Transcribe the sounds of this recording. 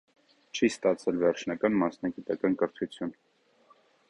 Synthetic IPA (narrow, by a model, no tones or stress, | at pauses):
t͡ʃʰist̪ɑt͡sʰɛlvɛɾt͡ʃʰnɑkɑnmɑsnɑɡit̪ɑkɑnkəɾt̪ʰut͡sʰjun